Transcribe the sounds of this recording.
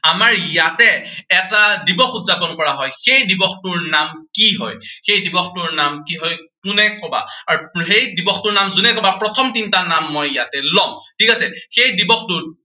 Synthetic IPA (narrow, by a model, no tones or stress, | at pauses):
amaɹjatɛːtadibɔxutzapɔnkɔɹaɦɔjxejdibɔxtʊɹnamkiɦɔ̰jxejdibɔxtʊɹnamkiɦɔjkʊnɛkɔba̰aɹuxejdibɔxtʊɹnamzunɛkɔbapɹɔtʰɔmtintanamːɔjjatɛlɔŋtʰikasɛxejdibɔxtʊt̚